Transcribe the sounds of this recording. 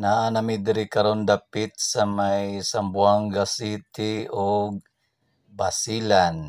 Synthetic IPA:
naʔanamɪd̪ɪɾɪkɐɾond̪apɪt̪̚sɐmajsambuaŋɡasit̪ɪoɡ̚ | basilan

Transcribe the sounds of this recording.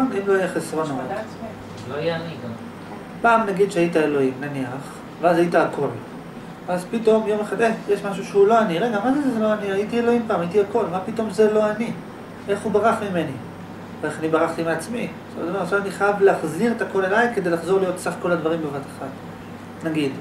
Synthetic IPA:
mimloajeχesʁo̞nom | loajeaniɡa | paːmnaɡid̪ʃeaitae̞lo̞imnaniaχ | veazajitaakʰo̞l | azpito̞mjo̞meχad̪ejeʃmaʃuʃeulo̞aniʁe̞ɡamazezezelo̞aniajitielo̞impaːmaitiako̞lmapito̞mzelo̞ani | ʔe̞χubaʁaχmime̞ni | veeχanibaʁaχt̪imeat͡smi | soa̰d̪omeʁaʃamaniχajavlaχziʁet̪ako̞lelajke̞d̪e̞jlaχzo̞ʁlijo̞tsaχko̞lad̪vaʁimbevatḁχat | naɡid̪

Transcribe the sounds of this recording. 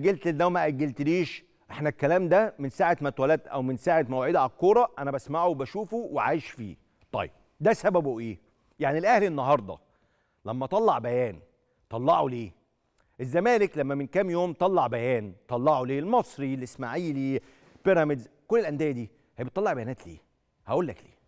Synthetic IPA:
ʔæɡælt̪elːæwmæʔæɡːælt̪liːʃ | ʔeħnækːælæːmd̪æmensaːʕet̪mæt̪wælæːt̪ʔæ̰wmensaːʕet̪mæwʕed̪æʕakːoːɾˤɑʔænæbæsmaʕowbæʃuːfuweʕa̰ːjeʃfḭː | t̪ˤɑ̰jːeb̥̚ | d̪æsæbæboʔeː | jaʕnilʔæhlenːɑɦɑɾˤd̪ˤɑ̰ | læmːæt̪ˤɑlːɑʕbæjæːn | t̪ˤɑlːɑʕuleː | ʔezːæmæːleklæmːæmenkæmjoːmt̪ˤɑlːɑʕbæjæːnt̪ˤɑlːɑʕoleːlmɑsˤɾilːesmaʕiːliː | peɾæmed̪zkolːelʔænd̪ejæd̪iː | hæjbet̪ːˤɑlːɑʕbæjænæːt̪lḛː | hæʔoːlːæklḛː

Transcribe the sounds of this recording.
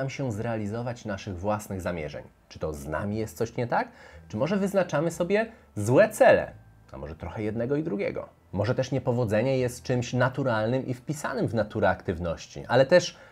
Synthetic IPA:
amɕɛzɾɛalʲizɔvat͡ɕnaʂɘɣvwasnɘɣzamʲjɛ̰ʐɛ̰ɲ | t͡ʂɘ̥t̪ɔzna̰mʲijɛst̪sɔɕɲɛt̪akt͡ʂɘmɔʐɛvɘznat͡ʂamɘsɔbʲjɛ | zwɛt̪sɛlɛ̰ | a̰mɔʐɛt̪ɾɔxɛjɛd̪nɛɡɔid̪ɾuɡʲjɛ̰ɡɔ̰ | mɔʐɛt̪ɛʂɲɛpɔvɔd̪zɛɲɛjɛst̪̚t͡ʂɘmɕnat̪uɾalnɘmʔifpʲisa̰nɘmvnat̪uɾɛakt̪ɘvnɔɕt͡ɕḭʔa̰lɛt̪ɛʂ

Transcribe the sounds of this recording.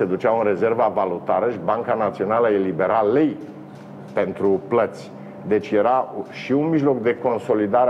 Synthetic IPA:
ed̪ut͡ʃaunɾe̞ze̞rvavalut̪aɾəʃibaŋkanat̪sio̞naləelibe̞ɾalej | pe̞nt̪ɾuplət̪sʲ | d̪e̞t͡ʃʲje̞ɾaʃiunmiʒlo̞kd̪e̞ko̞nso̞lid̪aɾe

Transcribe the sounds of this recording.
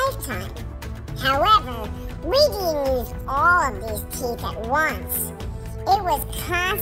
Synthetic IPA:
ɪtʰãɪ̃m | haʊɛvə˞ | ɹidinjʉz | ɔlˠʌvðɪstʰipɨ̰t̚wʌ̃ns | ɪt̚wʌz̥kʰɑ̃

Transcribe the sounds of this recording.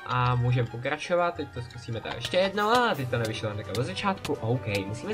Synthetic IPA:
ʔamuːʒɛmpo̞k̬ɾat͡ʃovat̪̚t̪ːɛc̚t̪o̞skusiːmɛt̪a̰kɛʃcɛjɛdnalat̪ɛc̚t̪onɛvɪʃlanɛkavozat͡ʃaːt̪kuʔowkɛjmusiːmɛ

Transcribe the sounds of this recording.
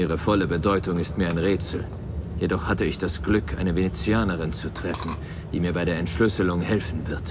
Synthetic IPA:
ʔiːʁ̞əfɔləbədɔʏtʊŋɪstmiːɐaɪnʁeːt͡sl̩ | jedɔχhatəɪçd̥asɡ̥lʏkʰʔa̰ɪnəvenet͡siaːnəʁ̞ɪnt͡sutʁ̥ɛfn̩ | d̥ḭːmiːɐbaɪɾeːɐɛntʃlʏsəlʊŋhɛlfn̩vɪɐt

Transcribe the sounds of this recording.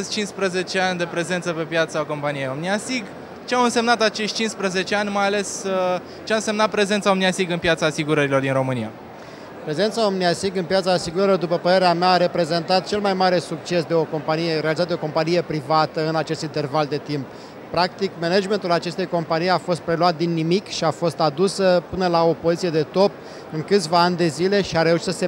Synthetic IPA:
st͡ʃinspɾəze̞t͡ʃeanʲd̪e̞pɾe̞ze̞nt̪səpe̞pjat̪saoko̞mpanijejomniasiɡ | t͡ʃeawɨnse̞mnat̪at͡ʃe̞ʃt̪̚ʲt͡ʃinspɾəze̞t͡ʃeanʲmajale̞sə | t͡ʃeaɨnse̞mnat̪̚pɾe̞zentsaomnijasiɡɨnpjat̪saːsiɡuɾəɾilo̞rd̪inɾo̞mɨnija | pɾe̞ze̞nt̪saomnijasiɡɨnpjat̪saːsiɡuɾəɾilod̪upəpəɾe̞ɾeameaːɾe̞pɾe̞ze̞nt̪at̪̚t͡ʃe̞lmajmaɾe̞suk̚t͡ʃe̞sd̪e̞o̞ko̞mpanije̞ɾealizat̪d̪eoko̞mpanijepɾivat̪əɨnat͡ʃest̪int̪e̞rvald̪e̞t̪imp̚ː | ɾak̚t̪ikmenad͡ʒme̞nt̪ulat͡ʃe̞st̪e̞jko̞mpanijafo̞st̪̚pɾe̞luat̪̚d̪inːimikʃiafo̞st̪ad̪usəpɨnəlao̞po̞zit̪sije̞d̪e̞t̪o̞p | ɨŋkɨt̪sʲvaanʲd̪e̞zile̞ʃiaɾe̞uʃit̪səse

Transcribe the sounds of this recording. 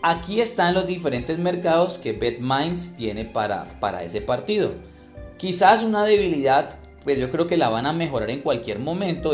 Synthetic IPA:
akie̞st̪anlo̞zd̪ife̞ɾe̞nt̪e̞zme̞ɾkaðo̞ske̞βe̞t̪majnst̪je̞ne̞paɾa̰pa̰ɾa̰e̞̰se̞paɾt̪iðo̞̰ | kisasunað̞e̞βiliðað | pwesd͡ʒo̞kɾe̞o̞ke̞laβaname̞xo̞ɾaɾe̞ŋkwalkjeɾmo̞mẽ̞nt̪o

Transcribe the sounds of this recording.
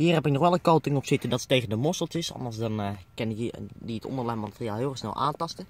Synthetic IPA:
hiːrɦɛpɪk̚nɔχʋɛlˠənkowtɪŋɔpsɪtəndɑtətːejɣəndəmɔsəlˠtɪsɑ̰ndəsdɑnkɪndiətʰɔ̰ndərlɛjmatərjaːlˠɦɪːlˠɪxsnɛ̰lˠʔa̰ːntɑstə

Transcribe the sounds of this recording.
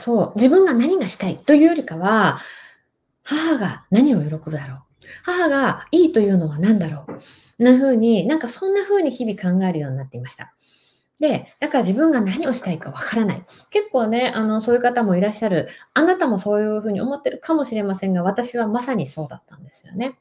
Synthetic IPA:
so̞ːd͡ʑibɯ̟̃ŋɡanaɲ̟iɡaɕi̥t̪ait̪o̞jɯ̟ːjo̞ɾʲikaβa | hahaɡanaɲ̟io̞joɾokɯd̪aɾo̞ː | hahaɡaiːt̪o̞jɯ̟ːno̞βanãnd̪aɾo̞ː | nːaɸɯ̟ːɲ̟inãŋkasõ̞nːaɸɯ̟ːɲ̟içibʲikãŋɡae̞ɾɯ̟jo̞ːɲ̟inat̪ːeimaɕi̥t̪ḁ̰ | d̪e̞d̪̥akaɾad͡ʑibɯ̟̃ŋɡanaɲ̟io̞ɕi̥t̪aikaβakaɾana̰ḭ | ke̞kːo̞ːne̞ano̞so̞ːjɯ̟kat̪amo̞iɾaɕːaɾɯ̟anat̪amo̞so̞ːjɯ̟ɸɯ̟ːɲ̟io̞mo̞t̪ːe̞ɾɯ̟kʰamo̞ɕiɾe̞masẽ̞ŋɡaβ̞at̪aɕiβamasaɲ̟iso̞ːd̪a̰t̪ːãnd̪e̞sɨ̥jo̞̰ne̞

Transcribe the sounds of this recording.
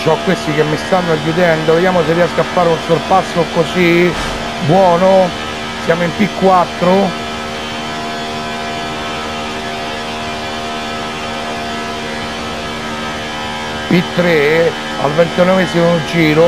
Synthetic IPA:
t͡ʃɔkːwest̪ikemːist̪anːoajːud̪ɛnd̪oved̪jaːmoserːiɛskafːaːɾeunsorpasːokosi | bwɔːno | sjaːmoimpikːwat̪ːɾo | pit̪ːɾe | a̰lvent̪ɛnːomesimond͡ʒiːɾo

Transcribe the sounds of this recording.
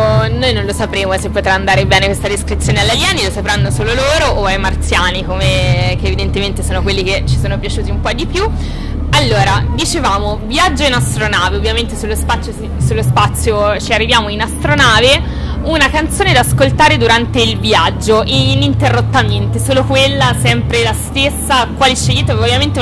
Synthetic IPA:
nojnõnlosapɾeːmosepːot̪ɾaːnd̪aːɾebɛːnekwest̪ad̪eskɾit̪sːjoːnealːaljɛːnilosapɾanːosoːloloːɾoʔːajmart̪sjaːnikomekeːvid̪ent̪ement̪esoːnokwelːiket͡ʃːi̥soːnopjat͡ʃuːt̪iumpɔd̪ipju | alːoːɾad̪it͡ʃevaːmobjad͡ʒːoinast̪ɾonaːveovːjament̪esulːospat̪sːjos | sulːospat̪sːjot͡ʃiarːivjaːmoinast̪ɾonaːve | unakant̪soːned̪askolt̪aːɾed̪uɾant̪eilvjad͡ʒːoʔinint̪erːot̪ːament̪esoːlokwelːasɛmpɾelast̪esːakwaːliʃejːiːt̪eovːjament̪e

